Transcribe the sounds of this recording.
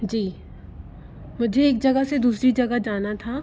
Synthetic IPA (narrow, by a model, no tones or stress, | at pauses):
d͡ʒiː | mʊd͡ʒʱeːk̚d͡ʒɐɡəɦsed̪uːsɾid͡ʒɐɡəɦd͡ʒaːnat̪ʰa